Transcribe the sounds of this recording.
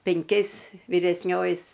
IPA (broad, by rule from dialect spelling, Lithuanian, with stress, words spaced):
pʲɛŋʲˈkʲɛɪs ʋʲɪrʲɛsʲˈnʲoːjɪ